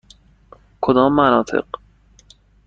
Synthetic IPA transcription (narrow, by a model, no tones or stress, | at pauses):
kʰod̪ɒːmːænɒːt̪ʰḛɢ